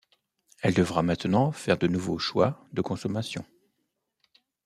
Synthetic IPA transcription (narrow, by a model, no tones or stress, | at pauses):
ɛld̪əvʁamɛ̃t̪nɑ̃fɛʁd̪ənuvoʃwa̰d̪əkɔ̃sɔmasjɔ̰̃